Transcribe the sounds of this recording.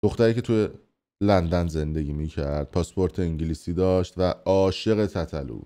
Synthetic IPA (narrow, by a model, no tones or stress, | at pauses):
d̪oxt̪æɾiːcʰe̞t̪ʰuje | lænd̪ænze̞nd̪e̞ɡʲiːmiːcʰæɾd̪̥̚pʰɒspʰo̞ɾt̪ʰe̞iɲɟiliːsiːd̪ɒːʃt̪væɒːʃe̞ɣe̞t̪ʰæt̪ʰælṵ̥ː